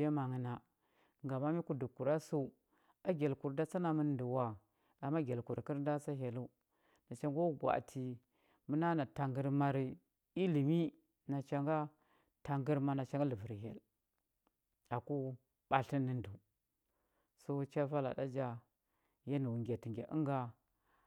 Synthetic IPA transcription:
ja˦ma˨ŋə˨na˨ | ŋɡa˨ma˦mi˦ku˦du˨ku˨ɾa˦su˦ | a˦ɡʲe˨lku˨ɾda˦t͡sa˦na˨mə˦du˨wa˦ | a˨mːa˦ɡʲe˨lku˨ɾki˦ɾn˦da˦t͡sa˦ɦe˨lu˦ | na˨t͡ʃa˦ŋɡo˦ɡwa̰˨tʰi˨ | mu˦na˦na˨ta˨ŋɡə˦ɾma˦ɾi˨ | i˦li˨mi˦ | na˨t͡ʃa˨ŋɡa˦ | ta˨ŋɡə˦ɾma˨na˨t͡ʃa˨ŋɡa˦lə˨vi˨ɾɦḛ˨l | a˨ku˦ | ɓ̥a˨ɬi˦nːi˦ndu˨ | so˦t͡ʃa˦va˦la̰˨da˦d͡ʒa˦ | ja˦ni˨wu˨ŋɡʲe˨ti˨ŋɡʲḛ˨ʔə̰˦ŋɡa˨

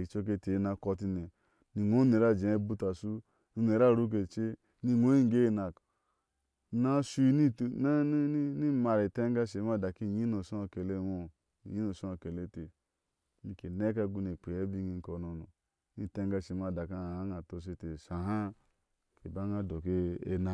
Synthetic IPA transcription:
i˨t͡ʃo˦k̬e˦te˨˦na˨˦kɔ˧ti˦ne˨ | ni˨ŋo˦e˨ɾa˦˨d͡ʒe˨˦bu˦ta˨su˦ | u˦ne˨ɾa˦˨ɾu˦k̬e˨t͡ʃe˦ | ni˦ŋo˦i˦ŋ˦ɡe˦˨na˨k | na˦su˦i˦ni˦˨˦ni˦ma˨ɾi˨te˦ŋ˦ɡa˦ʃe˨˦ma˦˨da˨ki˦˨ɲi˦no˨so˦a˨ke˨le˦ŋo˦˨ | ɲi˦no˨so˦a˨ke˨le˦te˨ | ni˨ke˨ne˦k̬a˦ɡu˦ne˨k͡pe˨je˦bi˦ŋi˨˦ŋ̩˦ko˨no˨no˨˦ | ni˦˨te˦ŋɡa˧˨ʃe˨ma˨da˨ka˦˨a˦ŋa˨to˨s̬e˦te˨sa˨ɦa˦ | kʰe˨ba˦ŋa˦do˨ke˦e˦na˨

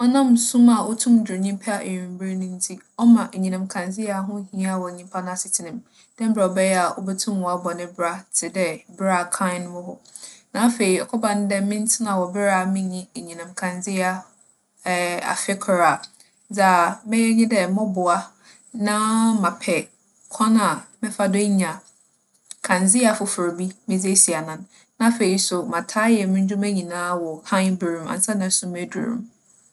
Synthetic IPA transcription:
ɔ˦nã˦˨msũ˦ma˨wɔ˦tʰũ˦mdɾʊ˨ɲĩ˦m˦pʰa˦a˦˨ʔe˨jĩ˨m˦bɪ˦ɾnʊ̃˦n̩˦tʰi˦ | ɔ˦mã˨ʔe˨ɲĩ˨nã˨m˨kʰã˨nd͡zɪ˦a˦ɦʊ̃˦hĩ˦a˦˨wɔ˨ɲĩ˦m˦pʰa˦nã˦a˨sɪ˨tʰɪ˨nɪ̃˨m | d̥ɛ̃˦m̩˦bɾa˨ɔ˨bɛ˦jɛ˦a˨ʔɔ˦bɛ˦tʰũ˦mwɔ˨a˦bɔ˨nɪ̃˦bɾa˦tʰɪ˨dɛ˦bɪ˦ɾa˨kʰã˦n˦wʊ˦hʊ˦nã˨˦fe˨i˨ɔ˨kʰɔ˦bã˨n˦dɛ˦mɪ̃˦n˦tʰɪ˦nã˨wɔ˨bɪ˦ɾa˦˨mɪ̃˦ɲĩ˦e˨ɲĩ˨nã˨mkʰã˨nd͡zɪ˦a˦˨ | a̰˨fɪ˦kʰɾa˨ | d͡za˨mɪ̃˦jɛ˦ɲĩ˦dɛ˨mɔ̃˦bʊ˨a˦ | nã˦mã˨pʰɛ˨ | kʰã˦na˨mɪ̃˦fa˦dʊ˦ɲã˨ | kʰã˨nd͡zɪ˦a˨fʊ˨fʊ˨ɾbi˦mɪ̃˦d͡ze˦si˨a˨nã˨nː | ã˦fe˨ɾi˨sʊ˨mã˨tʰa˦jɛ˨mɪ̃˦ɲ̩˦d͡ʑᶣu˦mæ̃˦ɲĩ˨nãː˦wɔ˨hã˦bɾũ˨mã̰˨n̩˨sa˦nã˨˦sʊ̃˨me˦dṵ˨ɾṵ̃˨m

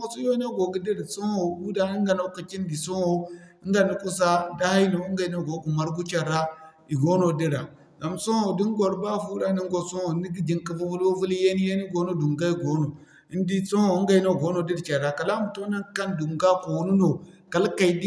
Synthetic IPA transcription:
o˨su˦jo˦i˦na˦ɡo˨ɡi˦di˦ɾso˦o˨bu˦da˦ni˦ŋ˦ɡa˨no˦ka˨t͡ʃi˦n˦di˨so˦ho˨i˦ŋɡa˨ni˦ku˦s̬a˦da˦ha˦i˦no˨u˦ŋɡa˨i˦no˦˨ɡo˨ɡu˨ma˨ɾɡu˦t͡ʃa˨ɾa˦ | i˨ɡo˦no˨di˦ɾa̰˨ | ɡa˨mso˦o˨di˦ŋ˦ɡo˨ɾba˦fu˦da˦ni˦ŋ˦ɡo˨so˦o˨˦ni˦ɡi˦d͡ʒi˨ŋki˨vu˦vu˦lwo˦vu˦li˦je˦ni˦je˦ni˦ɡo˨˦no˦du˨ŋɡa˦i˨ɡo˨no˨ | i˦n˦di˦so˦o˨˦ŋɡa˨i˦no˦˨ɡo˦no˨di˦ɾt͡ʃa˨ɾa˨ka˨la˦mu˨to˦na˦ka˦ndu˨ŋɡa˦ko˨wu˦nu˦no˨ | ka˨lka˨i˨˦di˦

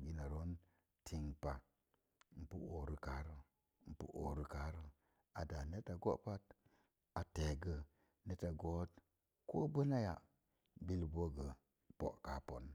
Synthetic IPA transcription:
ɡi˨˦na˨ɾo˦n | tʰi˨ŋpa˨˦ | m̩˨pṵ˦ʔo˨ɾə˨ka˨˦ɾə˦ | m̩˨pṵ˦ʔo̰˨ɾə˨ka˨˦ɾə˦ | a˨da˨ne˦ta˨ɡo̰˦ʔpa˦t | a˨te˨ɡə˨ | ne˦ta˨ɡo˦t | ko˦bə˦na˦ja˨ | bi˦lbo˦ɡə˨ | po̰˨ʔka˨po˨n

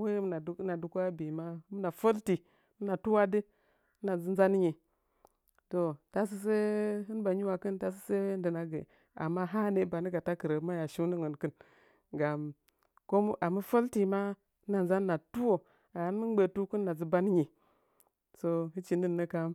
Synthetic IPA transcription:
we˦m˦na˨˦na˨du˨˦ku˦a˦bi˨ma˦m˦na˨fo˦lti˨˦ | m˦na˨tu˦wa˦di˦ | na˨zi˦n˦za˦n˦ɲi˨ | to˨ta˦s̬i˦s̬e˦ɦɨ˦nba˨ɲi˦wa˨kɨ˦nta˦s̬i˦se˦wn˦dɨ˨na˨ɡḛ˨ | a̰˨mːa˦ɦa˦ne˦ba˨ni˦ɡa˨ta˦kɨ˨ɾə˨˦ma˦ja˨ʃi˦ni˦ŋə˨nkɨ˦n | ɡa˨m | ko˦m˦ʔa˨mu˦fo˦lti˨ma˦ | na˨nza˦n˦na˨tu˦wo˨ | a˨hɨ˦nmɨ˦n˦ɡ͡be˨tu˦kɨ˦nːa˨zi˦ba˦n˦ɲi˨ | so˦ɦi˦t͡ʃi˨ni˦nːə˦ka˦m

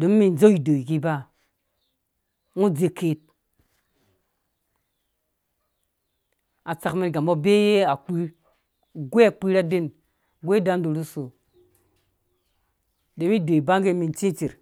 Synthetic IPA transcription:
do˨˦m˦mi˨n˨d͡ʒo˦i˨do˨i˨ki˦ba˦ | ŋu˦d͡ze˨ke˨t̚ | a˨t͡sa˨kme˨˦ɡa˨mo˦be˦je˦a˨k͡pi˦ɾ | ɡʷe˦a˨k͡pi˦ɾa˦de˦n | ɡʷe˦da˦n˦do˨ɾu˦so˨ | de˨˦mi˦do˨i˨ba˦ŋɡe˦mi˨n˦t͡ʃi˦t͡ʃi˨ɾ

